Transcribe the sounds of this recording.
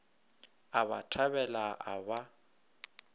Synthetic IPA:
aβa̰tʰaβɛlaʔaba

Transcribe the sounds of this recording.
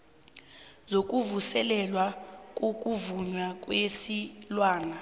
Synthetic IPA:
zok̬ʼuvusɛlɛlwakʼokʼuvuɲwakʼwesilwaːna

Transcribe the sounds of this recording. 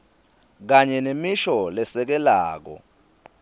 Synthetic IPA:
k̬aɲɛnemiʃɔlɛsɛk̬ɛlaːk̬ɔ̰

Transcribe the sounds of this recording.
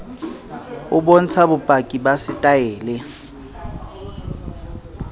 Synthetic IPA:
ʊbon̩t͡sʰabʊpʼakʼibasɪtʼaɛːlɛ

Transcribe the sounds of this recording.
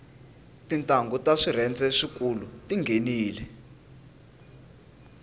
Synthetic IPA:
tintʼaŋɡʱɔtaʂirɛnd͡zɛʂik̬ʼulutiŋɡʱeniːlɛ

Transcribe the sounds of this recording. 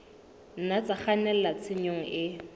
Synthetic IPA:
n̩nat͡saχanɛl̩lat͡sʰɪɲoŋ̩ʔɪ

